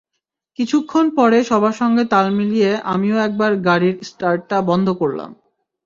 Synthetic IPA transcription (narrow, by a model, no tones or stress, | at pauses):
kit͡ɕʰukʰːonpɔɾeʃɔbʱaʃɔŋɡet̪almilijeʔa̰mioɛk̚baɾɡaɽiɾsʈaɾːabɔnd̪ʱokoɾla̰m